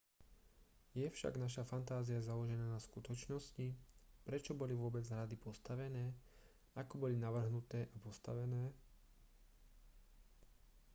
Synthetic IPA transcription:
jɛfʃa̰ɡnaʃafant̪aːzijazalɔʒɛnaːnaskut̪ɔt͡ʃnɔscipɾɛt͡ʃɔbɔliʋʊɔbɛd͡zɦɾad̪ipɔst̪aʋɛnɛː | akɔbɔlinaʋr̩ɦnut̪ɛːʔapɔst̪aʋɛnɛː

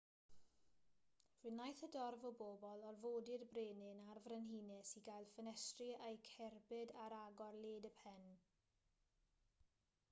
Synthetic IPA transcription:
r̥ɨnajθədɔrvɔboːbɔlˠɔrvoːdɪrbreːnɪnarvrɛnɦiːnɛsiɡajlˠfənɛstrɪejkʰɛrbɨdaɾaɡɔrlˠeːdəpʰɛn

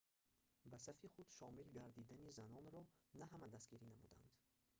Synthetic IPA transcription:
basafiχud̪ʃɔmilɡaɾd̪id̪anizanɔnɾɔnaɦamad̪asɡiɾinamud̪a̰nd̪̥

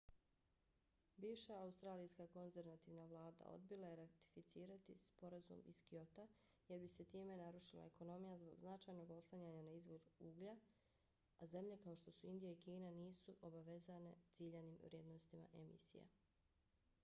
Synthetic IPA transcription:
biːʋʃaaust̪ɾaːlijskako̞nze̞ɾʋat̪iːʋnaʋlˠaːd̪a̰o̰d̪̚bilˠajeɾat̪i̥fit̪siːɾat̪ispo̞ɾazṵmiskio̞t̪a | je̞ɾbise̞t̪iːme̞naɾuʃila̰eko̞no̞mijazbo̞̰ɡznat͡ʃaːjno̞ɡo̞slˠaɲaɲanaizʋo̞ɾuuːɡʎa | aze̞mʎe̞kao̞ʃt̪o̞suind̪ijaikiːnaniːsuʔobaʋe̞zane̞t̪siʎeniːmʋɾʲje̞d̪no̞st̪ima̰ʔe̞mḭsḭja̰

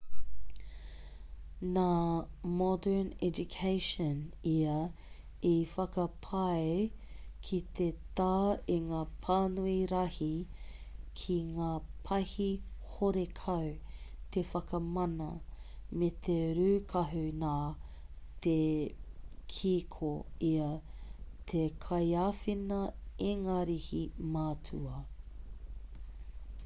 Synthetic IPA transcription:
naːmɔdə˞nɛd͡ʒukʰeɪʃɔniɐ | ifɐkɐpʰɐe | kʰit̪ʰet̪aːiŋaːpʰaːnuiɾɐhi | kʰiŋaːpʰɐhihoɾekʰɐwt̪efɐkɐmɐnɐ̰met̪ʰeɾʉːkʰɐɦʉnaː | te | kʰiːkʰoiɐ | t̪ʰekʰɐjaːfinɐeŋaːɾihimatʰuɐ

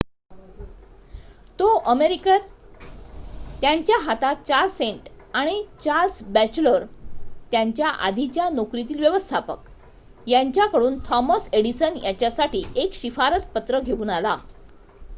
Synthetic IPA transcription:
t̪oʔəmeɾik | t̪jaɲt͡ɕjaɦat̪at̪̚t͡ɕaɾseɳʈ | aɽ̃it͡ɕaɾsbæt͡ɕləɾt̪jaɲt͡ɕjaʔa̰d̪ʱit͡ɕjanokɾit̪̬iːlʋjeʋəst̪ʰapə̰k | jaɲt͡ɕjakəɽuːnt̪ʰɔməseɽisənjat͡ɕjasaʈʰiːʔekɕifaɾəspət̪ɾəɡʱeuːnala

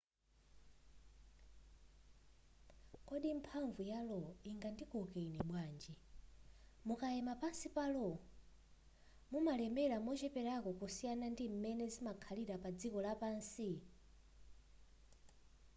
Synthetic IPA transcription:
kɔɗimpʰaɱvujalɔiŋɡandikɔkeiniɓwaːnd͡ʒi | mukajɛmapansipalɔ | mumalɛmbɛɾamɔt͡ʃɛpɛɾakɔkusijanandim̩mɛnɛzimakʰaliɾapad͡zikɔlapansi

